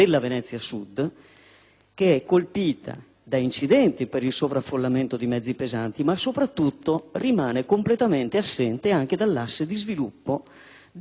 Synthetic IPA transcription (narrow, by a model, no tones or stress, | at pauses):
elːavenɛt̪sːjasud̪ | k̟eɛkːolpiːt̪ʰa̰ | d̪aint͡ʃid̪ɛnt̪ipeɾilsovɾafːolːament̪od̪imɛd̪zːipezant̪imasopɾat̪ːut̪ːorimaːnekomplet̪ament̪easːɛnt̪eaŋk̟ed̪alːasːed̪izvilupːo